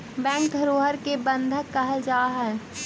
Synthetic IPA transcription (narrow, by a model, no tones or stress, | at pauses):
bɛ̃ːkd̪ʱəɾoːɦəɾkebə̃nd̪ʱəkːəɦəld͡ʒaːɦɛː